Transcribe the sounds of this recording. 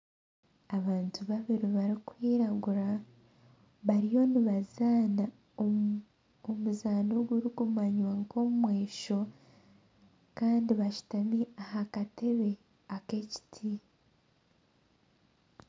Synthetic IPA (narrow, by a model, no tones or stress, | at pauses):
aβaːntuβaβiɾiβaɾikwiːɾaɡuɾa | βaɾijo̞niβazaːna | omuzaːnoɡuɾiɡumaɲwaŋko̞mumwe̞ːʃo̞ | kaːndiβaʃu̥tamiahakate̞βe̞ | ake̞ci̥tʰi